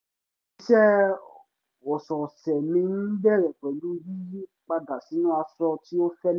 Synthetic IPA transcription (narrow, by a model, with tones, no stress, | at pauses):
i˦ʃɛ˦ | o˨sɔ˨sɛ˨mĩ˧nĩ˦bɛ˦ɾɛ˨k͡pɛ˨lu˦ji˦ | k͡pa˧da˨si˨˦nũ˦a˧sɔ˧ti˦o˦fɛ˦l